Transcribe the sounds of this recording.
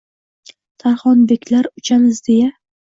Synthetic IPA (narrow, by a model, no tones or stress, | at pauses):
t̪ʰaɾχɒnbekʲlaɾʊt͡ʃʰanɪzd̪eja